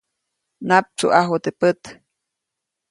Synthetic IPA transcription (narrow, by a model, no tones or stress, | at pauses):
nap̚t͡ʃṵʔaɦot̪epət̪